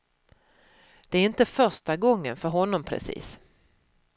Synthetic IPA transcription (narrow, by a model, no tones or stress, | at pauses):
d̪̥ɛæɾɪnt̪əfœɾʂʈaɡɔŋːənfœɾɦɔnːɔmpʰɾɛ̰sḭːs